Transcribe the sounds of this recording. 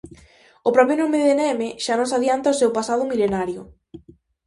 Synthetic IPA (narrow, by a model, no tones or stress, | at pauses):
ʊpɾɔpjonomɪðenemeʃanõsaðjant̪ɐosewpasað̞ʊmilenaɾjʊ